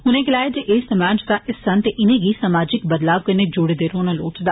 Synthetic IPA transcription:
ɦʊnẽɡɪlaːed͡ʒeʔeːsɐmaːd͡ʒd̪aʔɪsːɐnt̪eʔɪnẽɡisamaːd͡ʒɪkbɐd̪laːʋkɐɾned͡ʒoɽed̪eːɾoːnaloːʈd̪aː

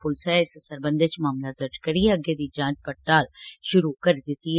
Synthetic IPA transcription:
pʊlsaɪssəɾbə̃nd̪et͡ʃmaːmlad̪ɐɾd͡ʒʰkɐɾiɛɐɡed̪id͡ʒãːt͡ʃpɐʈʈaːlʃʊɾukɐɾd̪ɪt̪iɦ

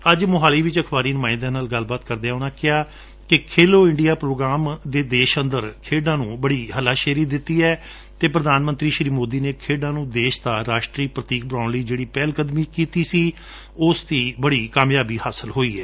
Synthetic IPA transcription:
əd͡ʒmʊɦaːliːʋɪt͡ʃəkʰbaːɾiːnʊmaːɪ̃nd̪ãːnaːlɡəlbaːt̪kəɾd̪eɛ̃ːʊnãːkɪaː | kɪkʰeːloːɪ̃ɳɖijaːpɾoːɡɾaːmd̪eːd̪eːʃə̃nd̪əɾkʰeːɖãːnũːbəɽiːɦəlaːʃɛːɾiːd̪ɪt̪ːiːɛː | t̪eːpɾəd̪aːnmə̃nt̪ɾiːʃɾiːmoːd̪iːneːkʰeːɖãːnũːd̪eːʃt̪aːɾaːʃʈɾiːpɾət̪iːk̚bɾãːnliːd͡ʒeːɽiːpɛːlkəd̪miːkiːt̪iːsiː | ʊst̪iːbəɽiːkaːmjaːbiːhaːsəlɦoːiːɛː

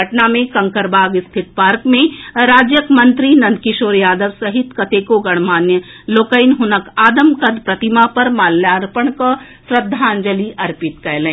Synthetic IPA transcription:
əʈnamẽkɐ̃ŋkəɾbaːɡɪst̪ʰɪt̪̚paːɾkmẽɾaːd͡ʒjəkmɐ̃nt̪ɾinɐ̃nd̪̚kɪʃoːɾjaːd̪əʋsɐɦɪt̪kɐt̪eːkoɡɐɽ̃maːnjəloːkəɪnɦʊnəkaːd̪əmkɐd̪pɾɐt̪ɪmapɐɾmaːlːjaːɾpəɳ̃ko | sɾəd̪ʱːaːnd͡ʒəliʔɐɾpɪt̪kɛjlẽː

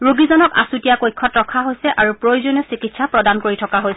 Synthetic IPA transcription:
ɹoɡizɔnɔka̰sutijakojkʰːɔtɹɔkʰaɦojsɛʔaɹupɹojuzonɔsikitsapɹɔdankoɹitʰɔkaɦojsɛ

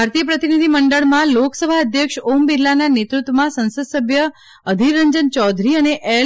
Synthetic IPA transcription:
aɾt̪ijəpɾət̪inid̪ʱiməɳɖəɭmãloksəbʱaəd̪ʱjəkʂombilːananet̪ɾut̪ʋəmãsə̃nsəd̪səbʱjə | əd̪ʱiɾəɲd͡ʒənt͡ʃɔd̪ʱɾiəneʔe

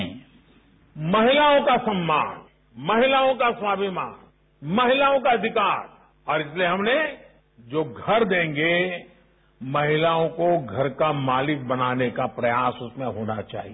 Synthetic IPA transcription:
mɐɦɪlaːõkasɐmːaːn | mɐɦɪlaːõkaswaːbimaːn | mɐɦɪlaːõkaɐd̪ʱɪkaːɾ | ɔːɾɪslieɦɐmne | d͡ʒoːɡʱɐɾd̪ẽːŋɡe | mɐɦɪlaːõkoɡʱɐɾkamaːlɪk̚bɐnaːnekapɾɐjaːsʊsmẽɦoːna̰t͡ʃa̰ːɦi

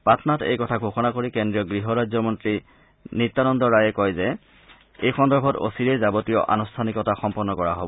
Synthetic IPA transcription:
patɔnatḛjkɔtʰaɡʱoxɔnakoɹikendɹiɔɡɹiɦɔɹazɔmɔntɹi | nitːanɔndɔɹajɛkɔjzɛ | ejxɔndɔɹbʱɔto̰siɹezabotijɔ̰ʔa̰nustʰanikɔtaxɔmpɔnːɔkɔɹaɦobɔ

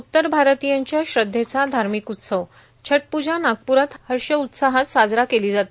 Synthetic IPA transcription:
ut̪ːəɾbʱaɾt̪ijãɲt͡ɕjaɕɾəd̪ʱːet͡sad̪ʱaɾmikut̪səʋ | t͡ɕʰəʈ̚pud͡ʑanaɡ̚puɾat̪həɾɕəut̪saɦat̪sad͡zɾakeliːd͡zat̪i

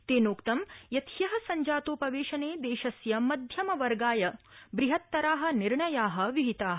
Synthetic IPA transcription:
t̪eːnoːkt̪ɐmjɐt̪jɐɦɐ̆sɐɲd͡ʒaːt̪oːpɐʋeːʃɐneːd̪eːʃɐsjɐmɐd̪ʱjɐmɐʋɐɾɡaːjɐbɾiɦɐt̪ːɐɾaːɦɐ̆niɾɳɐjaːɦɐ̆ʋiɦit̪aːɦɐ

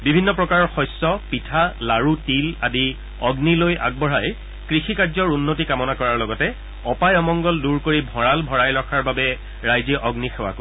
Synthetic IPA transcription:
bibʱinːɔpɹɔkaɹɔɹxɔjsːɔpitʰalaɹutiladi | ɔɡnilojʔa̰ɡ̚bɔɹaj | kɹixikaɹzɔɹunːotikamɔnakɔɹaɹlɔɡɔtɛ | ɔpajɔmɔŋɡɔlduɹkoɹibʱɔɹalbʱɔɹajlɔkʰaɹbabɛ | ɹajziʔɔɡnixɛwa̰ko

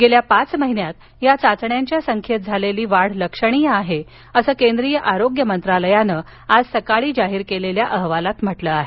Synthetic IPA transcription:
ɡeljapat͡sməɦinjat̪ | jat͡sat͡sɳjaɲt͡ɕjasəŋkʰjət̪̚d͡zʱaleliːʋaɽ̤ləkʂəɽ̃ijəaɦe | əsəːkend̪ɾijəʔaɾoɡjəmənt̪ɾaləjanəː | ad͡zsəkaɭiːd͡ʑaɦiːɾkeleljaʔəɦʋalat̪m̤əʈləːaɦe

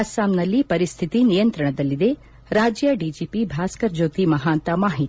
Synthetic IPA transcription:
asaːmnɐlːipɐɾist̪ʰit̪inijɐnt̪ɾɐɳɐd̪ɐlːid̪e | ɾaːd͡ʒjɐɖid͡ʒiːpibʱaːskɐɾd͡ʒoːt̪imɐɦaːnt̪ɐmaːɦit̪

